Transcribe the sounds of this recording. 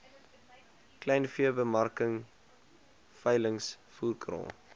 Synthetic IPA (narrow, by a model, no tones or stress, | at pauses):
klɛjnfiəbəmɐrkəŋ | fɛjləŋs | fuːrkrɑ̰ː